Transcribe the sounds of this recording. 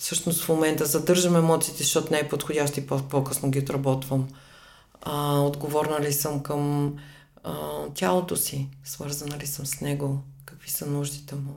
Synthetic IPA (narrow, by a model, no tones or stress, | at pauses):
fsɤʃnost̪fmomɛnt̪əzɐd̪ɤɾʒəmɛmɔt̪siːt̪ɛzɐʃt̪ɔt̪ʊnɛɛpot̪xodʲaʃt̪oippokɤsnoɡʲiot̪ɾɐbɔt̪vəm | əod̪ɡovɔɾnəlisəmkəm | t̪ʲalˠot̪osisvɤɾzɐnɐlisəmsnɛɡokɐkvisənuʒd̪it̪ɛmu